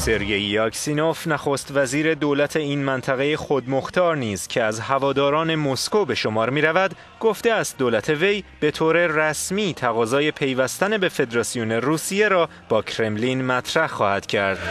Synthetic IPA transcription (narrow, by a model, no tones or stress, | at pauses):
se̞ɾɟe̞jːɒkʰsino̞fnæxost̪væziːɾe̞d̪oːlæt̪ʰe̞iːnmænt̪ʰæɣejexo̞d̪moxt̪ʰɒːɾniːzcʰe̞æzhævɒːd̪ɒːɾɒːne̞moskobe̞ʃo̞mɒːɾmiːɾævæd̪ | ɡo̞ft̪e̞æst̪̚d̪oːlæt̪ʰe̞ve̞jb̥e̞t̪ʰoːɾe̞ræsmiːt̪ʰæɣɒːzɒːje̞pʰe̞jvæst̪ænebe̞fe̞d̪eɾɒːsijone̞ruːsije̞ɾɒː | b̥ɒːcʰɾe̞mlinmæt̪ʰɾæhxɒːhæd̪̥cʰæɾd̪̥